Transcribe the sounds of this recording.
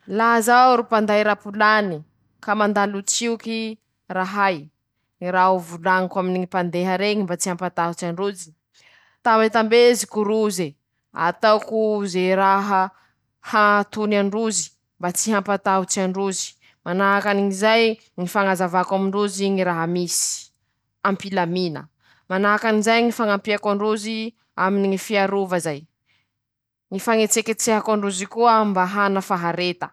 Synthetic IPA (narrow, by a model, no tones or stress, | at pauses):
laɦzaɾupand̪ajɾapulani | kamand̪alut͡siuki | raɦaj | ɾauvulaŋakwaminiipand̪eɦəɾeɲimbat͡sihampat̪aɦut͡siaɳɖ͡ʐud͡zi̥ | t̪ambet̪ambezikuɾuze | a̰t̪awkuzeɾaɦə | hat̪unaɳɖ͡ʐuzi̥ | mbat͡siɦampat̪aut͡siaɳɖ͡ʐuzi̥ | manaɦakaniŋizaj | ŋifaŋazavakamiɳɖ͡ʐuziŋiɾaɦamisi̥ | ampilaminə̰ | manaɦakanizajŋifaŋampiakaɳɖ͡ʐuzi | aminiŋifiaɾuvazaj | ŋifaŋet͡seket͡seɦakaɳɖ͡ʐuzikuambaɦanəfaɦaɾet̪ə